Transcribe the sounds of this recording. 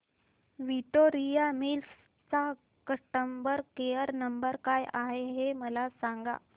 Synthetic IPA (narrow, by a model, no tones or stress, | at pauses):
ʋiʈoɾijamils | t͡sa | kəʂʈəmbəɾkejəɾnəmbəɾkajʔaɦeɦeməlasaŋɡa̰